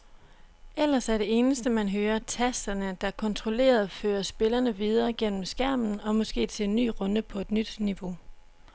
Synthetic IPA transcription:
ʔel̰ɐsæɐɾ̥e̝e̝ːnəsd̥əmænɦøːɐt͡sʰæsd̥ɐnəd̥ɑ̈kʰɒ̽nt͡sʰʁo̝le̝̰ːɐð̩ˠføːɐsb̥e̝lɐnəʋið̞ˠɐːɡ̥en̰m̩sɡ̥æɐ̰mn̩ɒ̽mɒ̽sɡ̥e̝̰ːt͡sʰe̝le̝nːy̰ːʁɔ̽n̥əpʰɒ̽e̝d̥nyd̥niʋo̝

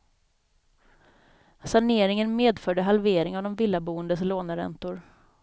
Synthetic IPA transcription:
saɳeːɾɪŋənmeːd̪fœɖəɦalveːɾɪŋavd̪ɔmvɪlːabuːənd̪əsloːnəɾɛ̰nt̪ʊɾ

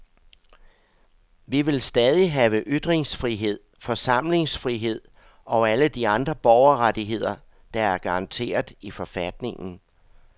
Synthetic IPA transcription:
ʋiʋe̝lsd̥ɛːð̞ˠiɦɛːʋəʔyd̥ʁeŋsfʁiɦe̝ð̞̰ˠfɒ̽sɑ̈m̰le̝ŋsfʁiɦe̝ð̞̰ˠ | ɒ̽æləd̥iɑ̈nd̥ʁɐb̥ɒʊɐʁadiɦe̝ð̞̰ˠɐ | d̥ɑ̈æɐɡ̥ɑ̈ɑ̈nt͡sʰe̝̰ːɐð̩ˠifɒ̽fæd̥ne̝ŋn̩

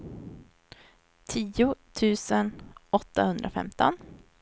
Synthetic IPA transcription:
t̪ʰiːʊt̪ʰʉ̟ːsənɔt̪ːahɵnd̪ɾafɛ̰mt̪ɔn

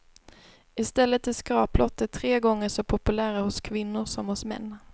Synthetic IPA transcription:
ɪst̪ɛlːət̪ːɪskɾɑːplɔt̪ːət̪ʰɾeːɡɔŋːəʂɔpʰʊpɵlæːɾahʊskʰvɪnːʊɾʂɔmhʊsmɛ̰nː

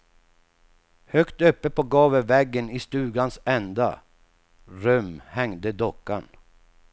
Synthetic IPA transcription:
hœkt̪œpːəpʰɔɡɑːvəvɛɡːənɪst̪ʉ̟ːɡansɛnd̪a̰ | ɾœmhɛŋd̪əd̪ɔkːan

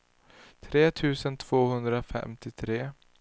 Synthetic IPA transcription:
t̪ʰɾeːt̪ʰʉ̟ːsənt̪ʰv̥oːhɵnd̪ɾafɛ̰mt̪ɪt̪ʰɾeː

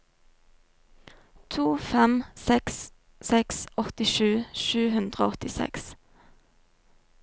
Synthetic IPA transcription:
t̪ʰuːfɛmsɛks | sɛksʔɔt̪ɪʃʉːʃʉːhʉnd̪ʁəoːɔt̪ɪsɛ̰ks

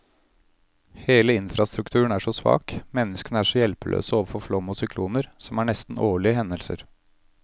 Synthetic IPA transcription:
heːləɪnfɾɑst̪ɾʉkt̪ʰʉːəɳ̩æʂɔsʋɑ̰ːkmɛnːəskənəæːʂɔjɛlpəlø̰ːsəoːʋəfɔɾflɔmɔsʏk̪ʰuːnəɾsɔmæːɳɛst̪n̩ʔoːɭɪəhɛnəlsə̰ɾ

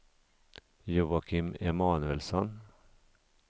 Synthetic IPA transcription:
juːakʰɪmɛmɑːnɵɛlsɔn

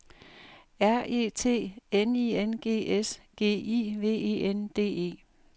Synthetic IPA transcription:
æɐ̰ʔe̝̰ːt͡sʰe̝̰ːenienɡ̥e̝̰ːʔesɡ̥e̝̰ːiːʋe̝̰ːe̝̰ːend̥e̝̰ːe̝̰ː

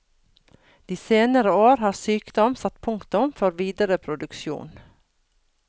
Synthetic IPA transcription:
d̪̥iːseːnəɾəoːɾhɑːɾsyːkd̪ɔmsɑt̪pʰʊŋkt̪ʊmfɔɾʋiːd̪əɾəpʰɾʊd̪ʉkʃjṵːn

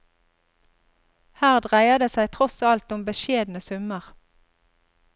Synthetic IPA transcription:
hæːʁd̪ʁæɪɑd̪eːsæɪt̪ʰʁɔsɑlt̪ʊmbəʃeːd̪nəsʉməʁ

